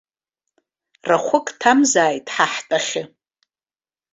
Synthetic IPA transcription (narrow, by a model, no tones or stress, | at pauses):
raχʷʊkʼtʰamzaːjtʼħaħtʼaχʲɪ